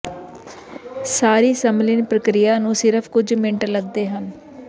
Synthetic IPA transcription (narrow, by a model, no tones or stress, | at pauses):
saːɾiːsəmlɪnpɾəkɾijaːnũːsɪɾəpʰkʊd͡ʒmɪ̃ɳʈləɡ̚d̪eːɦən